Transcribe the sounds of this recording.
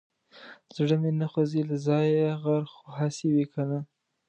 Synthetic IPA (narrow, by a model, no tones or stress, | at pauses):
zɽəmenaxozilazɑjɣaɾxoɦasiwikʰana